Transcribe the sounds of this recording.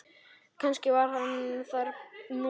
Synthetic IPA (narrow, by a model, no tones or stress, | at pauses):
kʰanscɪvaɾ̥ɦanθaɾnu